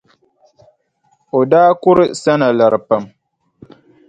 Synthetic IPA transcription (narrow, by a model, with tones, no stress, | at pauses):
o˨daː˦kʊ˦ɾɨ˦˨sa˦na˨la˨ɾɨ˨pa˨m